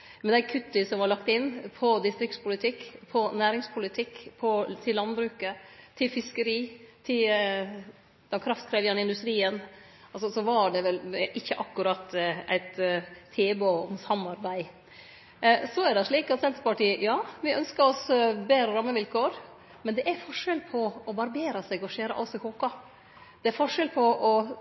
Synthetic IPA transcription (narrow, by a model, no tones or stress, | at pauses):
mɛnd̪æɪkʰʉt̪ːɪsɔmʋɑɭɑkt̪ɪnːpʰɔd̪ɪst̪ɾɪkt̪spʰʊlɪt̪ʰɪkːpʰɔnæːɾɪŋspʰʊlɪt̪ʰɪkːpʰɔt̪ʰɪlːɑnbɾʉːkət̪ʰɪlfɪskəɾiːt̪ʰɪ | d̪̥ɛkʰɾɑft̪kʰɾeːʋjɑnɪnd̪ʉst̪ɾiːən | ɑlsɔsɔʋɑɖɛʋɛlʔɪçːəʔɑkːʉɾɑt̪ːæ̰ɪt̪ʰːeːboɔmsɑmːɑɾbæɪ | sɔæɖɛʂɭiːkɑt̪sɛnt̪əɾpɑʈiːəjɑːʋɪʔœnskəɾɔsbeːɾəɾɑmːəʋɪlkʰoːɾ | mɛnd̪ɛʔæɾfɔʂɛlpʰɔɔbɑɾbeːɾɑsɛɡɔʃeːɾɑ̰ʔɑsɔkʰoːkɑ | d̪̥ɛæɾfɔʂɛlpʰɔʔɔ